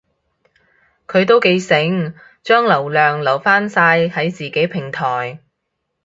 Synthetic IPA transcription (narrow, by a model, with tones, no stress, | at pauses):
kʰɵ˨˧ɥt̪o˥wke˨˧jsɪ˨˥ŋ | t͡ʃœː˥ŋlɐ˨˩wlœː˨ŋlɐ˨˩wfaː˥nsaː˧jhɐ˨˥jt͡siː˨˩ke˨˥jpʰɪ˨˩ŋt̪ʰɔː˨˩j